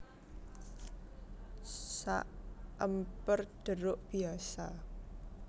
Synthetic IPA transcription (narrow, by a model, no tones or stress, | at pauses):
sa̰ʔəmpərd̪̥ə̤ɾʊʔb̥iasa